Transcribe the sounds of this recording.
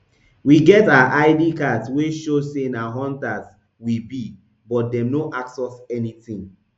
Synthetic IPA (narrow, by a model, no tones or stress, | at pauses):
wiɡɛtaaʔaɪdikatsweʃosenaɦɔ̃ntas | wibi | bɔt̚dɛ̃mnoʔaksɛsɛnitĩŋ